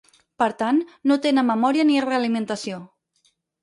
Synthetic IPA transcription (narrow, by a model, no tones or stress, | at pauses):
pəɾt̪anːot̪enəməmɔɾiənireəlimənt̪əsio